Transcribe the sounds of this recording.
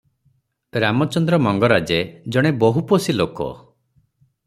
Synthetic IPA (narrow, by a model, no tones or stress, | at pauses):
ɾamɔt͡ʃɔnd̪ɾɔmɔŋɡɔɾad͡ʒed͡ʒɔɽ̃ebɔɦuposilokɔ̰